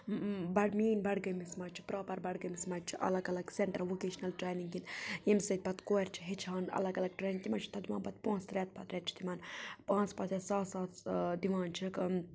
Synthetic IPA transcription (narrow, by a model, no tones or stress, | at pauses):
bɐɽmiːnbɐɽɡɐmismɐt͡ʃʰi̥pɾaːpɐɾbɐɽɡɐmismɐt͡ʃʰiʔɐ̰lɐɡɐlɐɡseɳʈɐɾʋokeːʃnɐlʈɾeːniŋɡɡinjemsɐt̪̚ʲbɐt̪koːɾʲt͡ʃʰi̥ɦet͡ʃʰaːnɐ̰lɐɡɐlɐɡ̚ʈɾeːniŋɡt̪imɐt͡ʃʰi̥t̪ʰɐd̪imaːnbɐt̪̚põːnst̪ɾʲeːt̪̚pɐt̪ɾʲet̪̚t͡ʃʰi̥t̪imɐːnpãːnt͡spɐt̪ʲesaːsaːt̪d̪iʋaːnt͡ʃʰik